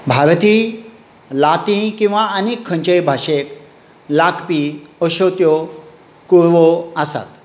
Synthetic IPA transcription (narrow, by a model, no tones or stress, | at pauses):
bʱaɾt̪i | lat̪ĩkĩw̃ʋaənekʰːə̃ɲt͡ɕəjbʱaɕek | lakʰpiəɕot̪jɔ | kuɾʋɔasa̰t̪